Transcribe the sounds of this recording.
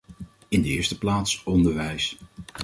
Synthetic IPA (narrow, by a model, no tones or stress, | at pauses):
ɪndəɪːɹstəplaːtsɔndəɹʋɛjs